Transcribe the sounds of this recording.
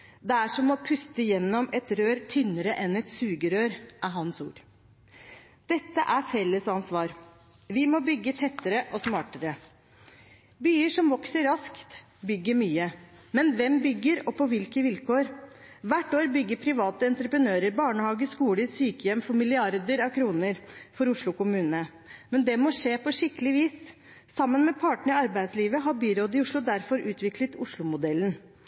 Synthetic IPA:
d̪ɛæʂɔmɔpʰʉst̪əjɛnːɔmɛt̪ɾøːɾt̪ʰʏnəɾəʔɛnɛt̪sʉːɡəɾøːɾʔæɾɦɑnsṵːɾ | d̪̥ɛt̪ːəʔæɾfɛlːəsɑnsʋɑːɾ | ʋɪmɔːbʏɡːət̪ʰɛt̪ːəɾəʔɔsmɑːʈəɾə | byːəʂɔmʋɔksəɾɾɑskt̪ | bʏɡːəmyːə | mɛnʋɛmbʏɡːəɾɔpʰɔʋɪlkəʋɪlkʰoːɾʋæʈoːɾbʏɡːəpʰɾɪʋɑːt̪əɛnt̪ɾəpɾənøːɾəɾbɑːɳəhɑːɡəskuːləsyːkəjɛmːfɔɾmɪlɪɑɾd̪əɾɑʋkʰɾuːnəɾfɔɾʊʂlʊkʊmʉːnə | mɛnd̪ɛmɔʂeːpɔʂɪkːəlɪʋiːsː | ɑmːənmɛpʰɑʈəɳ̩ɪɑɾbæɪd̪sliːʋəɦɑɾbyːɾoːd̪ɪʊʂɭʊd̪æɾfɔɾʔʉːt̪ʰʋɪklət̪ʊʂlʊmʊd̪ɛlːn

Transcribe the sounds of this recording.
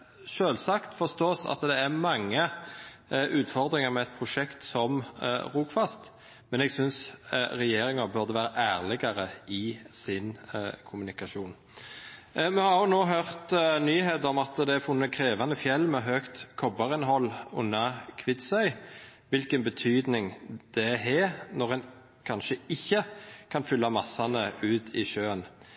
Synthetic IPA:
ʃøːlsɑkt̪fɔʁst̪oːsɑ̰t̪d̪ɛæʁmɑŋːə | ʔʉːt̪fɔʁd̪ɾɪŋəmɛɛt̪̚pʰʁʊʃɛkt̪sɔmʁuːkfɑst̪ | mɛnɛɡsʏnsʁɛjeːɾɪŋɑbœʁd̪əʋæːɾəʔæːʁlɪɡɑɾəɪsɪnkʰʊmʉnɪkɑʃuːn | mɛhɑʁjʊnoːɦøʁt̪nyːheːt̪ɔmɑt̪d̪ɛæfʊnːəkʰɾeːʋɑnəfjɛlːmɛɦøːkt̪kʰɔbɑʁɪnɦɔlːʊnːɑkʰʋɪt̪sœʏʋɪlkənbət̪ʰyːd̪nɪŋd̪̥ɛɦɛːnɔʁɛn | kʰɑnʃəɪçːəkʰɑnfʏlːɑmɑsːɑnəʉːt̪ʰɪʃøːən

